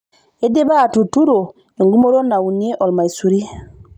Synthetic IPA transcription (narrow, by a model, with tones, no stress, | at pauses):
e˦de˦baː˦˨tu˨tu˦ɾo˨ | e˨ŋɡu˦mo˦ɾo˦na˨u˨ne˦ʔɔ˨lma˨i˨su˨ɾi˦